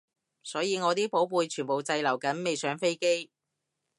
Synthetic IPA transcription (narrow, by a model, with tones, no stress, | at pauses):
sɔː˨˥jiː˨˧ŋɔː˨˧t̪iː˥po˨˥wpuː˨˧jt͡ʃʰyː˨˩po˨wt͡sɐ˧jlɐ˨˩wkɐ˨˥nme˨jsœː˨˥ŋfe˥jke˥j